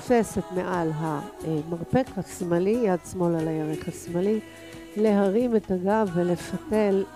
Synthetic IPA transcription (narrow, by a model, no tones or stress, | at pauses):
fe̞se̞tmeʔalɦamaʁpekhasmalijadsmo̞lalajaʁeχhasmali | le̞ɦaʁimetaɡavele̞fate̞l